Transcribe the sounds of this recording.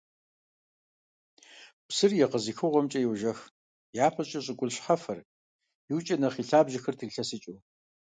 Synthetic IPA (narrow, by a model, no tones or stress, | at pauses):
psɨrjɛqəzixɨʁʷɔmt͡ʃʼɐjɛwʒɐx | jaːpʰɐt͡ʃʼɐɕʼɪkʷʼʊɮɕħɐfɐr | jɪwt͡ʃʼɐnɐχiːɬaːbʒɪxɐrtʰɨɬɐsɨt͡ʃʼuː